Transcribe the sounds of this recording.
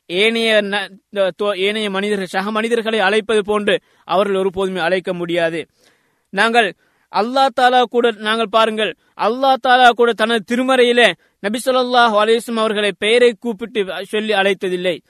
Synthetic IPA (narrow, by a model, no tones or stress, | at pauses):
eːnɐjɐnɐt̪oːeːnɐjɐmɐnɪðɐɾɣɐɭsɐɦɐmɐnɪðɐɾɣɐɭɐɪɐɭɐɪpːɐðɯp̬oːndrɯ | ʔɐ̰ʋɐɾɣɐɭɔɾɯpoːðɯmeːɐɭɐɪkːɐmʊɽɪjaːðɯ | naːŋɡɐɭ | ʔɐlːaːt̪aːlaːkuːɽɐnaːŋɡɐɭpaːɾɯŋɡɐɭ | ʔɐlːaːɯt̪aːlaːkuːɽɐt̪ɐnɐðɯt̪ɪɾɯmɐɾɐjɪle | nɐbɪsɐlːɐlˠːaːɦɯɐlɐɪjʋɐsɐlɐmɐʋɐɾɣɐɭɐɪpejɐɾɐɪkːuːpːɪʈːɯsɔlːiɐɭɐɪt̪ːɐðɪlːɐɪ